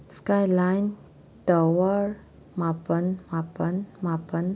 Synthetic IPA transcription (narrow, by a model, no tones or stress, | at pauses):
skajlajn | tawəɾ | mapənmapənmapən